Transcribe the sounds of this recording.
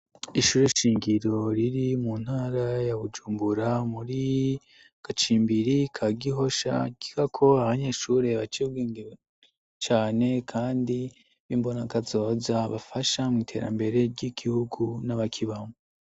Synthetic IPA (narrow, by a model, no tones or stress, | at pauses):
iʃuːɾeʃiːŋɡiɾo̞ɾiɾimun̥haːɾajaβud͡ʒuːmbuɾamuɾi | ɡ̥at͡ʃiːmbiɾikʰaɡiɦo̞ʃa̰ɡ̥i̥ɡakʰo̞aβaɲeːʃuːɾe̞βat͡ʃib̚ɡeːŋɡeɾo | t͡ʃaːne̞kʰaːndi | βimbo̞nakazo̞ːzaβafaʃamŋitʰe̞̰ːɾa̰mbe̞ɾe̞ɾɟiɡ̥ihuɡunaβakʰiβamo